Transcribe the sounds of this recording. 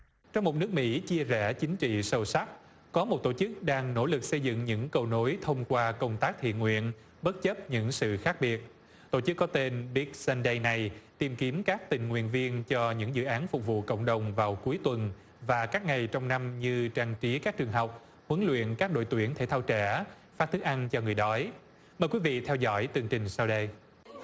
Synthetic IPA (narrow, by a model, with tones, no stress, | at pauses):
t͡ɕɔ˧wŋ͡mmo˨˩t̚nɨ˦˥ək̚mḭ˧˥t͡ɕi˧əzɛ˧˩t͡ɕï˨˦ŋ̟t͡ɕḭ˧˨sə˧wsa˦˥k̚ | kɔ˨˦mo˨˩t̚t̪o˧˩t͡ɕɨ˦˥k̚ɗaː˧ŋno̰˧˥lɨ˨˩k̚sə˧jzɨ̰˧˨ŋɲɨ̰˧˥ŋkə˧wno˨˦jt̪ʰə˧wŋ͡mkwaː˧kə˧wŋ͡mt̪aː˦˥k̚t̪ʰḭ˧˨ənŋwḭ˧˨ən | ɓə˦˥t̚t͡ɕə˦˥p̚ɲɨ̰˧˥ŋsɨ̰˧˨xaː˦˥k̚ɓi˨˩ət̚ | t̪o̰˧˩t͡ɕɨ˦˥kːɔ˨˦t̪e˧nɓi˦˥k̚sɛ˧nɗə˧jna˨˩jt̪i˨˩mki˨˦əmkaː˦˥k̚t̪ï˨˩ŋ̟ŋwḭ˧˨ənvi˧ənt͡ɕɔ˧ɲɨ̰˧˥ŋzɨ̰˧˨ʔaː˨˦nfʊ˨˩k͡p̚vṵ˧˨kə̰˧˨wŋ͡mɗə˨˩wŋ͡mvaː˨˩wku˨˦əjt̪wə˨˩n | vaː˨˩kaː˦˥k̚ŋa˨˩jt͡ɕɔ˧wŋ͡mna˧mɲɨ˧t͡ɕaː˧ŋt͡ɕi˨˦kaː˦˥k̚t͡ɕɨ˨˩əŋɦa˨˩wk͡p̚ | hə˨˦nlwḭ˧˨ənkaː˦˥k̚ɗo̰˧˨jt̪wḭ˧˩ənt̪ʰe˧˩t̪ʰaː˧wt͡ɕɛ̰˧˩ | faː˦˥t̚t̪ɨ˦˥k̚ʔa˧ŋt͡ɕɔ˧ŋɨ˨˩əjɗɔ˨˦j | məː˨˩jkwi˨˦vḭ˧˨t̪ʰɛ˧wzɔ̰˧˥jt̪ɨ˨˩əŋt͡ɕï˨˩ŋ̟saː˧wɗə˧j